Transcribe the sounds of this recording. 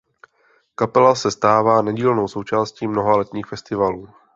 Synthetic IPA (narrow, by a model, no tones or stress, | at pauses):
kapɛlasɛst̪aːvaːnaɟiːlnowso̞wt͡ʃaːsciːmno̞ɦalɛt̪ɲiːxfɛst̪ɪvaluː